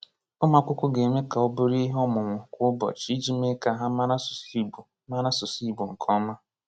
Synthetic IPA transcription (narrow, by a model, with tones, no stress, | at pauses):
ʊ˦ma˦kʷʊ˦kʷʊ˦ɡe˨me˦ka˨ʊ˦bʊ˦ɾi˦ɦɔ˦mʊ˨ŋʷʊ˨kʷʊ˦ʊ˦bɔ̰˨t͡ʃi˦i˦d͡ʒi˦me˦ka˦˨ɦa˦ma˦na˦sʊ̥˨si˦bu˨ | ma˦na˦sʊ˨si˦˨bu˨ŋ̩˨kʰɔ˦ma˦